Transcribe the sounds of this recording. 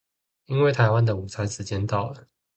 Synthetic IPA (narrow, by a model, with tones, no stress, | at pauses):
i˥nwe˥˩ɪt̪ʰa˧˥ɪwa˦nd̪ə˨u˨˩t͡sʰa˧˥nʂɻ̩˨˧˥t͡ɕjɛ˥nt̪ɑ˥˩ʊlə˨˩